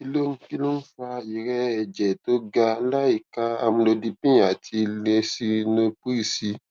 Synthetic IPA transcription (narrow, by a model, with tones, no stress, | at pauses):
i˧lo˦n̩˦˧ki˦lo˦n̩˦fa˧i˨ɾɛ˦ɛ˨d͡ʒɛ˨to˦ɡa˧la˦i˨ka˦a˧mũ˧lo˧di˧pĩ˦˨a˨tʰi˧lɛ˧si˦no˧pi˦i˦˨si˧˦